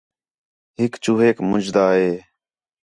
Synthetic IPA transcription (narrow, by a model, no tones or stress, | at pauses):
ɦɪkt͡ʃuːɦeːkmʊd͡ʒd̪aːɦeː